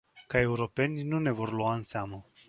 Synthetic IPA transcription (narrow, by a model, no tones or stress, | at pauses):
kae̞uɾo̞pe̞nʲnune̞vo̞rluaɨnseamə